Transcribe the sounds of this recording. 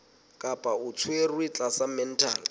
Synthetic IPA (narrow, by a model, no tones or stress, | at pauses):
kʼapʼaʊt͡sʰwerwit͡ɬʼasamɛn̩tʰa̰ːl